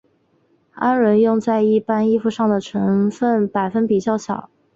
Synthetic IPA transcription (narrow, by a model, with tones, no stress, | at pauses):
a˥nɻə˧˥njʊ˥˧ŋt͡sa˥˧ɪi˥˩pa˥ni˥fu˧ʂɑ˥˩ŋd̪ə˩ʈ͡ʂʰɤ˧˥ŋfə˥˩npa˨˩ɪfə˥npi˨˩t͡ɕjɑ˥˩ʊɕjɑ˨˩˦ʊ